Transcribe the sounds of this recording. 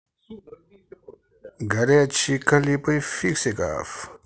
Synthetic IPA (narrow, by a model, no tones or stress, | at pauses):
ɡɐɾeɐt͡ɕʰikɐlipɐjfiksika̰ːf